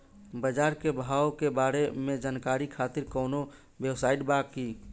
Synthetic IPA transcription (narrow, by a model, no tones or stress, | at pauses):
bəd͡ʒaɾkebʱawkebaɾemẽd͡ʒaːnkaɾikʰat̪iɾkɔːno | bjewsaːɪʈbaki